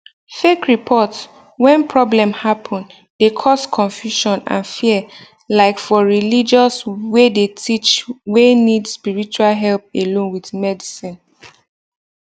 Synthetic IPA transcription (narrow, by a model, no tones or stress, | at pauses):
fekɹipʰɔts | wɛ̃npɹɔblɛ̃mhapʰɔ̃n | dekʰɔskʰɔ̃nfjuʃɔ̃nã̰nfiɛ | laɪkfɔɹilid͡ʒɔswedetʰit͡ʃwenidspiɹit͡ʃualɦɛlp̚elõnwiðmɛdisĩn